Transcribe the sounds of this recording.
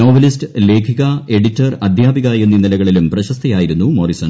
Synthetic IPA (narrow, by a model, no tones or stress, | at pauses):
o̞ːʋɐlistɨle̞ːkʰiɣɐe̞ɽitːɐrɐd̪ʱjaːbiɣajenːinilɐɣɐɭilumprɐɕɐst̪ʰɐjaːjiɾunːumorisɐn